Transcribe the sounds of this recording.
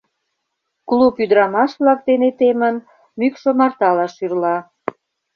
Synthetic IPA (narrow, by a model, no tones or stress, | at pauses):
klupyd̪ɾɑmɑʃβlɑk̚d̪enet̪emən | mykʃŏmɑrt̪ɑlɑʃyrlɑ